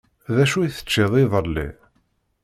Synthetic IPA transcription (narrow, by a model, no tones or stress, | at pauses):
ðæʃuiθə̥t͡ʃːeðˤiðˤəlːḭ